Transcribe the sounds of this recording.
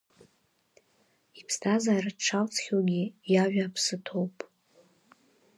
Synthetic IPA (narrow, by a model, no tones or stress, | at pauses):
ipʰstʰazaːraʈ͡ʂʰawt͡sʰχʲoɡʲɪjaʒᶣapʰsɨtʰo̞wpʼ